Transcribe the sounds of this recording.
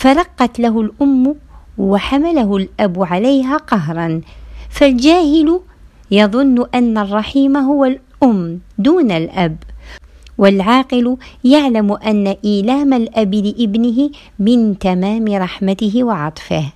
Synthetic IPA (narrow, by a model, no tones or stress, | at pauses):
faɾˤɑqːɑt̪laɦʊlʔʊmːwaħamalaɦʊlʔabʕalajɦaːqɑɦɾˤɑnfald͡ʒaːhɪlʊ | jɑðˤʊnːʊʔanːarˤːɑħiːmɦʊwal | ʔʊmːd̪uːnalʔab | walʕɑːqɪljaʕlamʔanːaʔiːlaːmalʔablɪʔɪbnɪɦɪ | mɪnt̪amaːmɪɾˤɑħmat̪ɪɦɪwɪʕɑt̪ˤfɪh